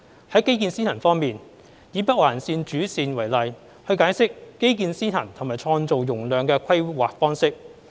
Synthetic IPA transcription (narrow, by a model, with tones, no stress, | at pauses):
hɐ˨˥jke˥jkiː˧nsiː˥t̪ʰɐ˨˩nfɔː˥ŋmiː˨n | jiː˨˧pɐ˥waː˨˩nsiː˧nt͡ʃyː˨˥siː˨nwɐ˨˩jlɐ˨j | hɵ˧ɥkaː˨˥jsɪ˥k̚ːe˥jk̬iː˧nsiː˥t̪ʰɐ˨˩nt̪ʰʊ˨˩ŋmaː˨˩jt͡ʃʰɔː˧ŋt͡so˨wjʊ˨˩ŋlœː˨ŋkɛː˧kʰɐ˥jwaː˨k̚fɔː˥ŋsɪ˥k̚